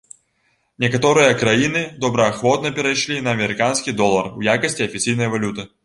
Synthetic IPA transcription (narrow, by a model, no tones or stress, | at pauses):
nʲɛkat̪ɔɾɨjɐkɾajinɨd̪ɔbɾɐːxvɔt̪nɐpʲɛɾajʂlʲinɐːmʲɛɾɨkanskʲid̪ɔlˠɐrujakɐsʲt͡sʲiɐfʲit͡sʲijn̪ɐjɐvalʲut̪ɨ